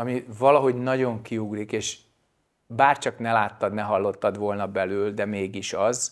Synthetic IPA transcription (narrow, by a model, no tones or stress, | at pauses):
ɒmivɒlɒɦo̞ɟnɒɟo̞ŋkiuɡrikeːʃ | baːrt͡ʃɒknɛlaːt̪ːɒd̪nɛɦɒlːo̞t̪ːɒd̪ʋo̞lnɒbɛlyːld̪ɛmeːɡiʃɒz